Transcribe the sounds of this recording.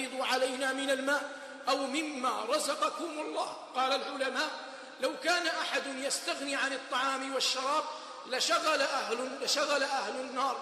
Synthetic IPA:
ɨd̪ˤuʕalajnaːmɪnalmaːʔ | ʔawmɪmːaːɾˤɑzɑqɑkʊmalˤːɑː | qɑːlalʕʊlamaːʔ | lawkaːnaʔaħad̪ʊnjast̪aɣnɪʕanɨt̪ˤːɑʕɑːmɪwaʃːɑɾˤɑːb̚ | laʃaɣalaʔahlʊlaʃaɣalaʔahlʊnːɑːɾˤ

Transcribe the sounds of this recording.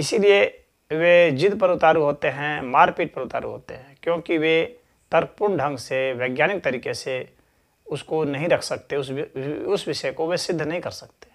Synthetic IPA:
ɪsilie | ʋed͡ʒɪd̪pɐɾʊt̪aːɾuɦoːt̪eɦɛ̃maːɾpiːʈ̚pɐɾʊt̪a̰ːɾṵɦo̰ːt̪ḛɦɛ̃kjõːkiʋe | t̪ɐɾkpʊɳɖʱɐ̃ŋɡseʋeːɡjaːnɪk̚t̪ɐɾiːkese | ʊskonɐɦĩɾɐkʰsɐk̚t̪eʊʊsʋɪʃəkoʋesɪd̪ʱːnɐɦĩkɐɾsɐk̚t̪ẽ̥

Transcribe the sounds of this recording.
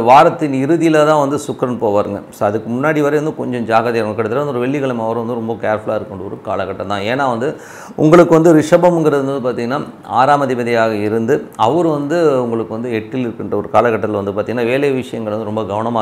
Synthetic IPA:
ʋaːɾɐt̪ːɪnɪɾɯðɪjɪlɐt̪ãːʋɐnd̪ɯsʊkːɾɐnpoːʋaːɾɯŋɡɐsoːɐðɯkːɯmʊnːaːɽiʋɐɾɐʋɐnd̪ɯkɔɲd͡ʒɔ̃d͡ʒaːɣɐðeːɾɐŋɐkːɪɽɐt̪ːɪɾɐʋɐnd̪ɯɔɾɯʋɛɭːɪɣɐɭɐmɐʋɐɾɯ̃ʋɐnd̪ɯɾɔmbɐkaːɾfɭaːɪɾɯkːɐɳɖɐɔɾɯka̰ːlɐkːɐʈːɐt̪ːãːeːnːaːʋɐnd̪ɯ | ʊ̰ŋɡɐɭɯkːɯʋɐnd̪ɯɾɪʂɐbɐmŋɡɪɾɐðɯnɐd̪ɯpaːɾt̪ĩːŋɡɐnːaː | a̰ːɾaːmɐðɪbɐðɪjaːɣɐɪɾɯnd̪ɯɐʋɐɾɯʋɐnd̪ɯʊŋɡɐɭɯkːɯʋɐnd̪ɯɛʈːɪlɪɾɯkːɪɳɖɐɔɾɯkaːlɐkːɐʈːɐt̪ɪlʋɐnd̪ɯpaːɾt̪iːŋɡɐnːaːʋeːleʋɪʂɐjɐŋɡɐɭɐʋɐnd̪ɯɾɔmbɐɡɐʋɐnɐmaː

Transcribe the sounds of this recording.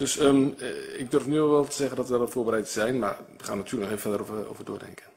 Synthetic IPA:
d̥øsəɪɡ̚dørfnyəʋɛlˠtəzɛɣəndɔtʋəɔfoːbərɛjtəz̥ɛjnma̰rʋəχaːnatʰyːələnɔχeːvəfɛldərovəo̰wvərdʊ̰ːdɛ̰ŋkən

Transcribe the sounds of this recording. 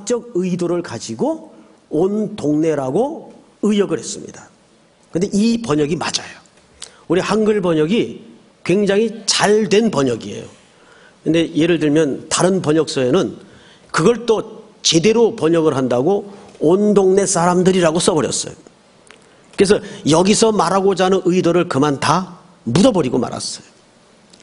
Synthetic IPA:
t͡ɕ͈ʌɡ̚ɯidoɾɯɭkad͡ʑiɡo | ondoŋne̞ɾaɡo | ɯjʌɡɯɭhe̞s͈ɯmɲḭd̥a | kɯnde̞ʔipʌɲʌɡimad͡ʑajo̥ | uɾihaŋɡɯɭbʌɲʌɡi | kwe̞ŋd͡ʑaŋɦit͡ɕaɭdwe̞npʌɲʌɡiḛjo̰ | kɯnde̞je̞ɾɯɭdɯɭmjʌntaɾɯnpʌɲʌk̚s͈ʌenɯn | kɯɡʌɭt͈o | t͡ɕe̞de̞ɾopʌɲʌɡɯɾɦandaɡoːndoŋne̞s͈aɾamdɯɾiɾaɡos͈ʌbʌɾjʌs͈ʌ̰jo | kɯɾes̬ʰʌjʌɡisʰʌmaɾaɡod͡ʑanɯnɯidoɾɯɭkɯmanta | mudʌbʌɾiɡoma̰ɾa̰s͈ʌjo

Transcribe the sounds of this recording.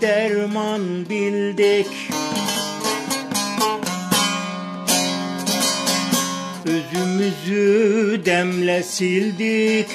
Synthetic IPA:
d̪̥æɾmɑnbild̪ɛk | øzymyzyd̪æmlɛsild̪ik

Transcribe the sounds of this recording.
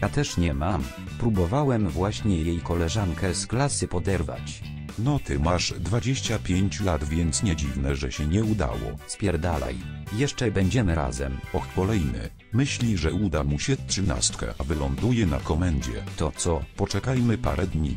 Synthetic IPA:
at̪ɛʂɲɛmam | pɾubɔvawɛmvwaɕɲɛjejkɔlɛʐaŋkɛzklasɘpɔd̪ɛɾva̰t͡ɕ | nɔt̪ɘmaʂd̪vad͡ʑeɕt͡ɕapʲjeɲt͡ɕulad̪vʲjɛnt̪sɲɛd͡ʑivnɛʐɛɕɛɲɛud̪a̰wɔ̰spʲjɛɾd̪alɛ̰jjɛʂt͡ʂɛbɛɲd͡ʑɛmɘɾa̰zɛ̰mɔxkɔlɛjnɘ̰ | mɘɕlʲiʐɛud̪amuɕɛtʂɘna̰st̪kɛ̰vɘlɔnd̪ujɛna̰kɔmɛɲd͡ʑɛ̰t̪ɔt̪sɔpɔt͡ʂɛkajmɘpa̰ɾʔɛd̪ɲḭ

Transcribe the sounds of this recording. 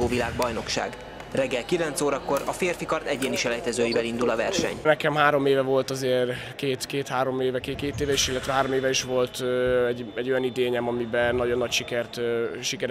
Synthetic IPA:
oːvilaːɡ̚bɒjno̞kʃa̰ːɡ | rɛɡːɛlkilɛnt̪soːɾɒko̞ɾɒfeːrfikɒrt̪ɛɟeːniʃɛlɛjt̪ɛzøːjibɛlind̪ulɒvɛrʃɛ̰ɲnɛkɛmɦaːɾo̞meːvɛvo̞lt̪ɒzeːr | keːt̪keːt̪haːɾo̞meːvɛkeːkeːt̪eːvɛiʃilːɛt̪ʋɛɦaːɾo̞meːvɛiʃʋo̞lt̪ːɛɟɛɟːo̞jɒnid̪eːɲɛmɒmibɛnɒɟo̞nːɒcʃikɛrt̪ːʃikɛɾ

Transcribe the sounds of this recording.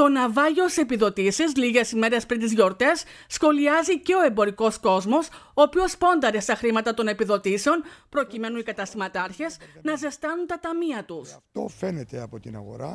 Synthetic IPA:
t̪o̞nɐvɐʝo̞se̞piðo̞t̪isiz̬liʝe̞sime̞ɾe̞spɾint̪izʝo̞ɾt̪e̞sːxo̞liɐzice̞o̞e̞mbo̞ɾiko̞sko̞zmo̞soːpio̞spo̞nd̪ɐɾe̞st̪ɐxɾimɐt̪ɐt̪o̞ne̞piðo̞t̪ise̞o̞npɾo̞cime̞nunikɐt̪ɐst̪imɐt̪ɐɾçe̞snɐze̞st̪ɐnunt̪ɐt̪ɐmiɐt̪ust̪ofenet̪eɐpot̪inɐ̰ɣo̰ɾa

